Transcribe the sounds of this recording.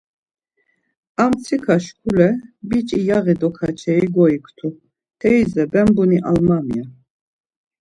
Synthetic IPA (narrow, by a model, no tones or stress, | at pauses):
amt͡sʰikʰaʃkʰulɛbit͡ʃʼijaɣɛd̪ɔkʰat͡ʃʰɛiɡɔikʰt̪ʰu | t̪ʰɛizɛbɛmbuniʔa̰lmamija